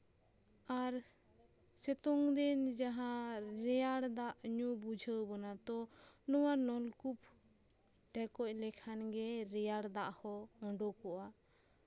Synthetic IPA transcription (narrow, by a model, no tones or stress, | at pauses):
aɾ | sɛt̪ɔŋd̪ɛnd͡ʒaɦãɾɛjaɽd̪aʔɲubud͡ʒʱəwbɔnat̪ɔnɔwanɔlkup̚ | ɖɛkɔc̚ˀlɛkʰanɡɛɾɛjaɽd̪aʔhɔɔ̃ɖɔkɔʔa